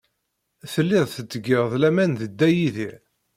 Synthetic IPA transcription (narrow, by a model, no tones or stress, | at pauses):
θəlːɪðˤθət͡s̪ːəɡɪʁðˤlæmænðəd̪ːæjiðiʕ